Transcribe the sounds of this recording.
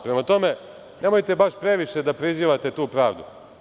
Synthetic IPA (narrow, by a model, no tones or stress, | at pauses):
pɾemat̪o̞me̞ | ne̞mo̞jt̪e̞baʃpɾe̞ʋiʃe̞d̪apɾiziːʋat̪e̞t̪uːpɾaːʋd̪ṵ